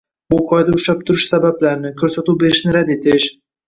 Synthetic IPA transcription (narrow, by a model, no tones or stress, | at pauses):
ʊqʰɒjd̪aʊʃap̚t̪ʰʊɾɪʃsabablaɾnɪkʲʰɵɾsat̪uwbe̞ɾɪʃnɪɾad̪e̞t̪ʰɪʃ